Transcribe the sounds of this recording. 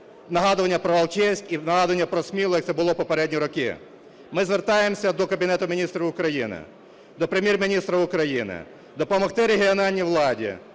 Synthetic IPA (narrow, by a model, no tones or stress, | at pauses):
nɐɦɑd̪ʊʋɐnʲːɐpɾɔʋɐlˠt͡ʃɛwsʲkʲinɐɦɑd̪ʊʋɐnʲːɐpɾɔsʲmʲilˠɔjɐkt̪sɛbʊlˠɔpɔpɐɾɛdʲnʲiɾɔkɪ̰ | mɪzʋert̪ɑjemsʲɐd̪ɔkɐbʲɪnɛt̪ʊmʲinʲist̪ɾɐʊkɾɐjinɪ̰ | d̪ɔpɾemʲjermʲinʲist̪ɾɐʊkɾɐjinɪ̰ | d̪ɔpɐmɐxt̪ɪɾeɦʲiɔnɑlʲnʲiʋlˠɑdʲḭ